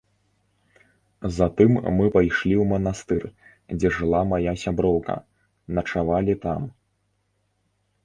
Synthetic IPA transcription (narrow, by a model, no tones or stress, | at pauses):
zat̪ɨmːɨpajʂlʲiwmɐnast̪ɨr | d͡zʲɛʐɨlˠamajasʲabɾɔwkɐ̰ | nɐt͡ʂavalʲit̪am